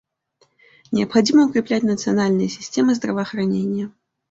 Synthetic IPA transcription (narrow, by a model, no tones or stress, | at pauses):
nʲɛɐpxad͡zʲimɐukɾʲɛplʲat͡sʲnɐt̪sɨjanalʲnɨjɐsʲi̥sʲtʲɛmɨzd̪ɾɐvɐːxɾanʲenʲːɐ